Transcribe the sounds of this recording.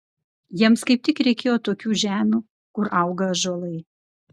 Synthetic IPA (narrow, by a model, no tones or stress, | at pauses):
jiɛmskɐɪp̚t̪ʲɪkɾʲɛɪkʲeːjoːt̪oːkʲuːʒʲæːmʲuː | kʊɾɐʊɡɐʒoːlˠɐɪ